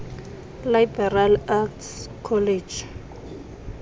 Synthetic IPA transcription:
lajbɛralakt | kʰɔled͡ʒ

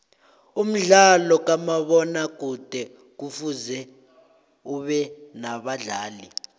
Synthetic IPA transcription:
um̩ɮalɔk̬ʼamaɓɔnak̬ʼud̥ʱɛ | k̬ufuzɛ | uɓɛnaɓaɮaːli

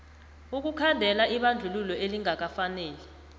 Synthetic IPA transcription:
uk̬ukʰandʱɛlaʔiɓand͡ɮʱululɔeliŋʱak̬afanɛːlɛ

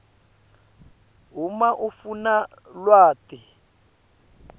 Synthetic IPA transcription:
ɦumaʔufuna | lwaːti

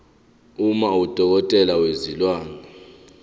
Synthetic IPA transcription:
umaud̥ʱɔk̬ɔtʼɛlawezilwaːna

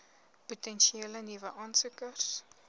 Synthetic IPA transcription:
putɛnʃieːlənivəʔɑːnsukərs

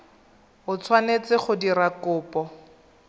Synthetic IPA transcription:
ʊt͡sʰwanet͡sɪχʊdiɾakʊːpɔ

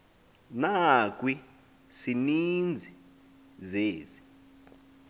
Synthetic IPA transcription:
nak̬wi | sinind͡zʱi | zeːzi̥

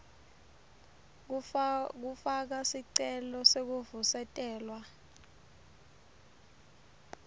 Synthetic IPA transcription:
k̬ufak̬asiǀɛlɔsek̬uvusɛtʼɛːlwa

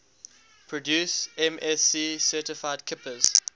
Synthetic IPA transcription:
pʰɹɔdjuːsɛ̃mɛsiːsɜːˑtɪfaɪdkʰɪpəz̥

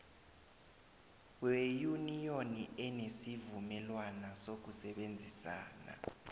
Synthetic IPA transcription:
wejunijoniɛnesivumɛlwanasok̬usɛɓend͡zʱisa̰ːna̰

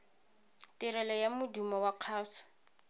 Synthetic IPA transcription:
tʼɪɾɛlajamʊdumɔwaq͡χʰaːsɔ̥

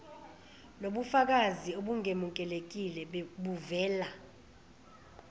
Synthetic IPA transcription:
noɓufak̬azioɓuŋemuk̬ʼɛlek̬ilɛɓuvɛːla

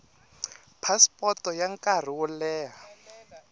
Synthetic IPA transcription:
pʰaspʼɔtɔjaŋkʼar̤iwɔlɛːɦa

